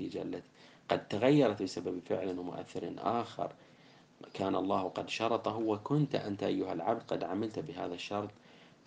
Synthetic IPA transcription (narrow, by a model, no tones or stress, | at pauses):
id͡ʒalːa | qɑd̪̚t̪aɣajːɑɾˤɑt̪bɪsababfɪ̰ʕlanwmʊ̰ʔa̰θːɪɾnʔa̰ːxɪ̰ɾˤ | kʰaːnɑlˤːɑːhqɑd̪ʃɑɾˤɑt̪ˤɑɦuwakʊnt̪ʔa̰nt̪aʔajːʊhalʕab̚d̪qɑd̪ʕamɪlt̪bɪɦa̰ːðaʃːɑɾˤt̪ˤ